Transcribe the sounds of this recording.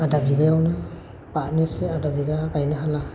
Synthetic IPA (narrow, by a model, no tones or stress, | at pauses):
adabiɡajawnɯ | paʔniseadabiɡaɡajnɯɦala